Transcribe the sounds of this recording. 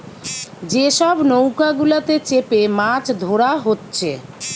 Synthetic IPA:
d͡ʑeʃɔbnowkaɡulat̪et͡ɕepemat͡ɕd̪ʱoɾaɦotːɕʰe

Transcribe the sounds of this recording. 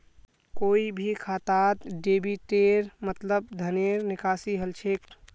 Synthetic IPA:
koːibʱikʰat̪at̪ɖebiʈeɾmət̪ləbd̪ʱəneɾnɪkasiɦəlt͡ʃʰek

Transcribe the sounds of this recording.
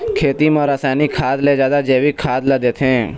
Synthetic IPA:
kʰeːt̪imɐ̃ɾɐsaːnikʰaːd̪led͡ʒjaːd̪ad͡ʒeːʋikʰaːd̪ləd̪eːt̪ʰẽː

